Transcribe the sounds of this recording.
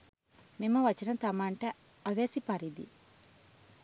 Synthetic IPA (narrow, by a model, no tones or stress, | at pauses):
mimɐʋɐt͡ʃɐnɐt̪ɐmaːɳʈɐ | ɐʋeːsipɐɾid̪ḭ